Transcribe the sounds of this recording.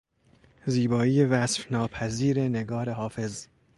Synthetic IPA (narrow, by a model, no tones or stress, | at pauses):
ziːbɒːijevæsfnɒːpʰæziːɾeneɡɒːɾeɦɒːfe̞z